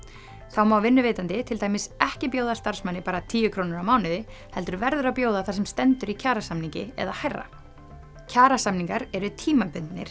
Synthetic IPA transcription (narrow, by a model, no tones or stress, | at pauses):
θawmawvɪnːʏveːjt̪ant̪ɪt̪ʰɪlt̪aːjmɪsɛhcɪpjoːwðast̪aɾ̥smanːɪpaːɾat̪ʰiːjʏkʰɾoːwnʏɾawmaːwnɪðɪhɛlt̪ʏɾvɛɾðʏɾapjoːwðaθasɛmst̪ɛnt̪ʏɾicʰaːɾasamniɲcɪɛ̰ðahajrːa̰ | cʰaːɾasamniŋkaɾɛɾʏt̪ʰiːmapʏnt̪nɪ̰ɾ̥